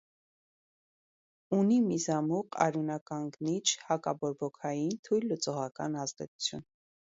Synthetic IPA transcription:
unimizɑmuqɑ̰ɾjunɑkɑŋɡnit͡ʃʰhɑkɑbɔɾbɔkʰɑjint̪ʰujlːət͡sɔʁɑkɑ̰nɑzd̪ɛt͡su̥t͡sʰjṵn

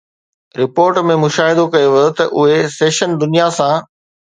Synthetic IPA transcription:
ɾɪpoːɾʈmẽmʊʃaːɦɪd̪okɐjoʋɐot̪ɐʔʊɦeseːʃənd̪ʊnijasãː

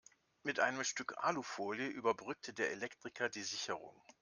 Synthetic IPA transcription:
mɪtʔa̰ɪnəmʃtʏkʰʔa̰ːlufoːljəʔyːbɐbʁʏk̚tʰədeːɐelɛktʁ̥ɪkʰɐdiːzɪçəʁʊ̰ŋ

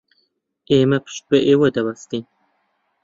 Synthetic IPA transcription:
eːmɐpʰɨ̥ʃt̪̚bɨʔeːwɐd̪ɐbɐst̪in

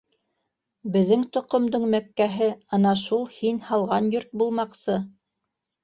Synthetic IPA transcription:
bɘ̆ðːɘŋt̪ŏqŏmd̪ɤɴmækːæɦɘɑnɑʃulˠhinhɑlˠʁɑnjoɾt̪̚bulˠmɑqsɤ

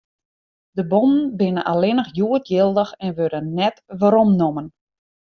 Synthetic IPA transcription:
dəbomn̩bɪnə̰nʔalɪnəxjuətjɪlˠdəxɛnʋødənnːɛtʋaɾomnomən

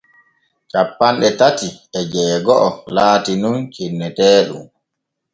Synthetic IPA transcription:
t͡ʃapːanɗɛtatiɛd͡ʒɛːɡɔʔɔlaːtinunt͡ʃinːɛtɛːɗṵm

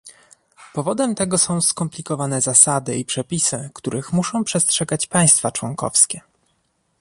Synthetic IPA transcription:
pɔvɔd̪ɛmt̪ɛɡɔsɔ̃w̃skɔmplʲikɔvanɛzasad̪ɘipʂɛpʲisɘkt̪uɾʔɘxmuʂɔ̃w̃pʂɛstʂɛɡat͡ɕpaj̃st̪fat͡ʂwɔŋkɔ̰fskʲɛ

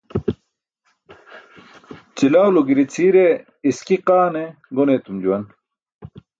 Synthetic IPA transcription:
t͡ɕilaːwluɡiɾit͡sʰiːɾe | iskiqaːneɡonet̪umd͡ʑuwɐn

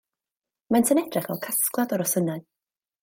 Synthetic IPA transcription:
mantʰənɛd̥rɪχvɛ̰lˠkʰasklˠadɔɾɔsənaɨ

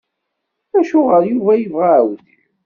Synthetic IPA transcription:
æʃʊʁəɾjuvæjəvʁawθəç

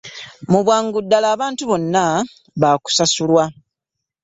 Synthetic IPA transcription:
muβwaːŋɡudːalaːβaːntuβo̞nːa | βaku̥sasulwa

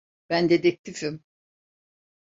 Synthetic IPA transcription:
b̥ænd̪ed̪ɛk̚t̪ʰifim

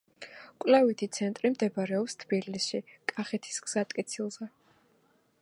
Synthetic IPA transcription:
kʼwlavit̪ʰit̪sʰɛnt̪ʼɾimd̪ɛbɾɛɔpst̪ʰb̥ilisʃikʼaχɛt̪ʰi̥sɡz̥at̪ʼkʼit̪sʰilˠzɛ

